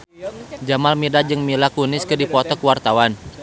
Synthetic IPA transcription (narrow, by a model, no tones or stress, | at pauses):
d͡ʒamalmidad͡ʒɨŋmilakunɪskɨdipɔt̪ɔkwart̪awan